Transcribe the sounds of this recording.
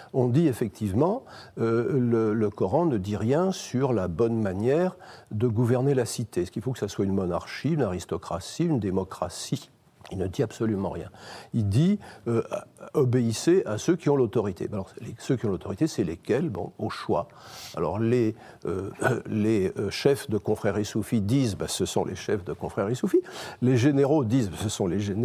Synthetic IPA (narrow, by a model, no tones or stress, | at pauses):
ɔ̃d̪iefɛk̚t̪ʰivmɑ̃ølələkɔʁɑ̃nəd̪iʁjɛ̃syʁlabɔnmanjɛʁd̪əɡuvɛʁnelasit̪esə̥kʲilfokə̥saswaynmɔnaʁʃiynaʁist̪ɔkχa̰siynd̪emɔkχasi | ilnəd̪iabsɔlymɑ̰̃ʁjɛ̃ild̪iøɔbeiseʔasøkʲiɔ̃lot̪ɔʁit̪ʰḛalɔʁlesøkʲiɔ̃lot̪ɔʁit̪esɛlekʲɛlbɔ̰̃oʃwa̰ | a̰lɔ̰ʁle | øleʃɛfd̪əkɔ̃fχɛʁisufid̪izbasəsɔ̰̃lʔḛʃɛfd̪əkɔ̃fχɛʁisufileʒeneʁod̪izbasəsɔ̃leʒen